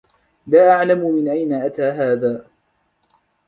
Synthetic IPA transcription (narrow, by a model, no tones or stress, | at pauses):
laːʔaʕlamʊmɪnʔajnaʔat̪aːɦaːðaː